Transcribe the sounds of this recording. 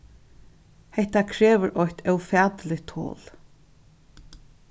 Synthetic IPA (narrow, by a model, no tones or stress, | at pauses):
hɛht̪akʰɾeːʋəɾʔɔjht̪ʰœwfɛːt̪lɪt̪ʰo̰ːl